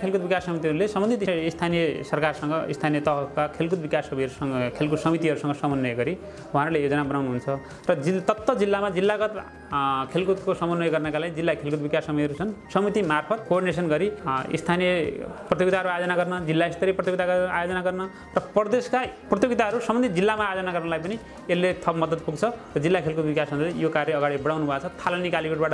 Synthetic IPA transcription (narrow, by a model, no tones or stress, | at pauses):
kʰelkut̪̚bikasːʌmit̪iɦʌɾulesʌmbʌnd̪ʱit̪iist̪ʰanijʌsʌrkarsʌŋɡʌist̪ʰanijʌt̪ʌɦʌkakʰelkut̪̚bikasʌbʌijʌɾusʌkʰelkusʌmit̪iɦʌɾusʌŋɡʌsʌmʌnːʌjɡʌɾi | wɦãɾulejod͡zʌnabʌnawnuɦunt͡sʰʌ | rʌd͡zit̪ʌt̪ːʌd͡zilːamad͡zilːaɡʌt̪ | kʰelkut̪̚kosʌmʌnːʌjɡʌrnʌkalaɡid͡zilːakʰelkut̪̚bikasʌmʌjʌɾut͡sʰʌnsʌmit̪imarpʰʌt̪̚korɽines̬ʌnɡʌɾiḭst̪ʰanijʌprʌt̪̬joɡt̪aɦʌɾuajod͡zʌnaɡʌrnʌd͡zilːaest̪ʌɾiprʌt̪joɡit̪aɡʌajod͡zʌnaɡʌrnʌ | rʌpʌrd̪eskaprʌt̪joɡit̪aɦʌɾusʌmʌnd̪ʱid͡zilːamaːjod͡zʌnaɡʌrnʌlajpʌni | elːet̪ʰʌpmʌd̪ʌd̪̚puɡt͡sʰʌrʌd͡zilːakʰelkut̪̚bikasʌnʌijokarjʌʌɡaɽibʌɽawnubʱat͡sʰʌt̪ʰalʌnikalikeʈ̚baʈʌ